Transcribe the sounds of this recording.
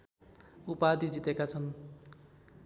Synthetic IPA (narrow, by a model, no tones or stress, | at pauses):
upad̪id͡zit̪ekat͡sʰʌn